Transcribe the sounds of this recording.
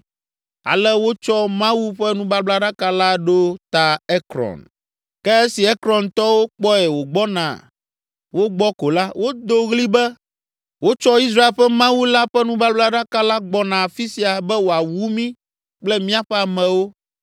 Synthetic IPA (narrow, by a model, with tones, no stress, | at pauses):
a̰˨lɛ˦wo˦t͡ʃɔ˦mã˦wu˦ɸɛ˦nũ˦ba˦bla˦ɖa˦ka˦la˦ɖo˦t̪a˨ɛ˦kɾɔ̰̃˨n | kɛ˦e˦si˨ɛ˦kɾɔ˨nt̪ɔ˦wo˦k͡pɔ˦ɛ˨wo˨ɡ͡bɔ˦nã̰˨ | wo˦ɡ͡bɔ˦ko˨la˦wʔo˦d̪o˦ɣli˦bɛ˦ | wo˦t͡ʃɔ˦i˦s̬ɾa˦e˨lɸɛ˦mã˦wu˦la˦ɸɛ˦nũ˦ba˦bla˦ɖa˦ka˦la˦ɡ͡bɔ˨nã˨fi˦si˨a˨bɛ˦wo˨a˨wu˦mĩ˦ | k͡plɛ˦mĩ˦a˦˨ɸɛ˦a˨mɛ̃˨wo˦